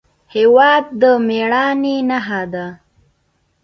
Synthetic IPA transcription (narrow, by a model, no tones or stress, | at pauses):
hewɑd̪̚ːəmeɽɑninaɦad̪a